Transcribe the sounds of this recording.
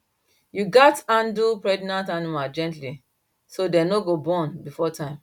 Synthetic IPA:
juɡatãndupɹɛdinãntanimad͡ʒɛ̃ntli | sodɛnoɡobɔ̃nbifɔtãɪ̃m

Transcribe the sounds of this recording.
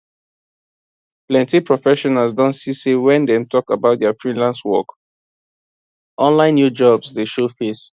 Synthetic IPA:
plɛ̃ntipʰɹɔfɛʃɔnalsdɔ̃ntsisewɛ̃ndɛ̃mtʰɔkabaʊt̚dɛafɹĩlãnswɔ̰k | ʔɔ̃nlãɪ̃nːjud͡ʒɔbsdeʃofes

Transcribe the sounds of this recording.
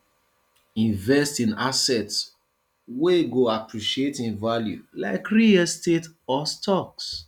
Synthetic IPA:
ĩɱvɛstĩnasɛts | weɡoapɹiʃietĩnvaljṵla̰ɪkɹiastetɔstʰɔks

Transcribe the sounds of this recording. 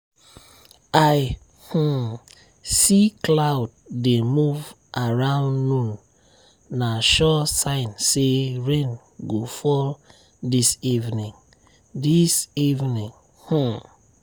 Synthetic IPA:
aj | h̩ | siklaʊd̚demuv | ʔaɹãʊ̃nːũnː | aʃɔsãɪ̃nseɹẽn | ɡofɔl | disivnĩŋ | disivnĩŋ | h̩

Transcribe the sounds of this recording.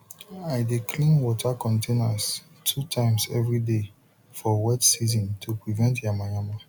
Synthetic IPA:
aɪdekʰlĩnwɔtʰakɔ̃ntʰenas | tʰutʰãɪ̃msɛvɹide | fɔwɛtsizɔ̃ntʰupɹivɛ̃ntjamajãma

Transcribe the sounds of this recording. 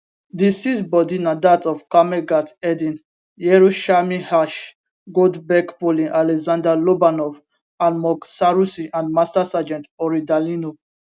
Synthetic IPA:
disitbɔdinadatɔfkameɡatɛdĩn | jɛɹuʃamĩhaʃ | ɡodbɛkpolĩʔalɛzãndalobanɔv | almɔksaɹusĩʔãndmastasad͡ʒɛ̃ntɔɹidalino

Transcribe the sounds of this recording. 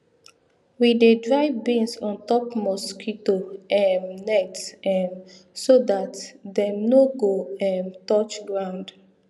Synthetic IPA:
widedɹaɪvbẽnsɔ̃ntɔpmɔskitoɛmnɛtɛ̃m | sodatdɛ̃mnoɡoɛ̃mtɔt͡ʃɡɹãʊ̃nd

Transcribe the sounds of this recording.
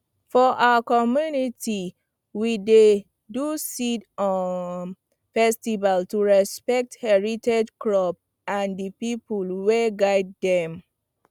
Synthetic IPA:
fɔʔawəkɔmjuniti | wide | dusitɔ | fɛstivaltuɹɛspɛk̚thɛɹitʰɛd͡ʒkɹɔp̚ | ãndipipulwɛɡaɪd̚dɛ̃m

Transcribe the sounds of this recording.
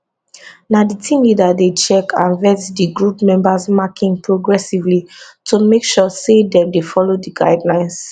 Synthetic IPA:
naditʰĩmlidadet͡ʃɛkʰãnvɛtdiɡɹupmɛ̃mbasmakĩŋpɹoɡɹɛsivlitʰomekʃɔsedɛ̃mdefɔlodiɡaɪdlãɪ̃ns

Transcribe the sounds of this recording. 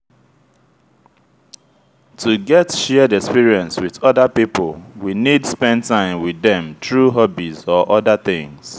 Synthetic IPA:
tʰuɡɛtʃɛdɛkspiɹiɛ̃nswiðɔðəpipəlwinidspɛ̃ndtʰãɪ̃mwiðɛ̃mtɹuɦɔbizɔʔɔdəθɪ̃ŋs

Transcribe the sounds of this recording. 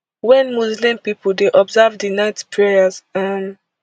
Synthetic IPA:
wɛ̃nmuzlĩmpipuldeʔɔbzavdinaɪtpʰɹɛjazam

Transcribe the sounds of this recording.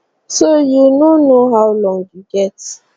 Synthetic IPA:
sojunonoɦawlɔ̃ŋjuɡɛt

